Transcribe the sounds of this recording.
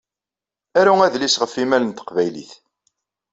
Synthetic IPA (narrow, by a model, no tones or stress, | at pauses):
æɾuæðlisʁəfːimælənt̪ə̥qvæjlḭθ